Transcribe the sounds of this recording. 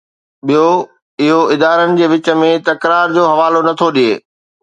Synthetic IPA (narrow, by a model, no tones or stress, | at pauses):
ɓijo | ɪɦoɪd̪aːɾənɪ̆d͡ʑeːʋɪt͡ɕə̆mẽt̪ɐkɾaːɾd͡ʑoːɦɐʋaːlonɐt̪ʰoɗiḛː